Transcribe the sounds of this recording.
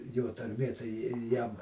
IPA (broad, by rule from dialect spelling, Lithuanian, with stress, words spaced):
ˈjoː tɐrʲˈmʲeː tɐɪ ˈjɪ ˈjɛm